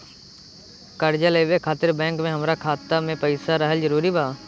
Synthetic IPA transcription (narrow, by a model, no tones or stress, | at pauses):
kəɾd͡ʒaleːʋekʰaːt̪ɪɾbɛ̃ːŋkmẽɦəmɾakʰaːt̪ːamẽpəɪsaɾəɦəld͡ʒəɾuːɾibaː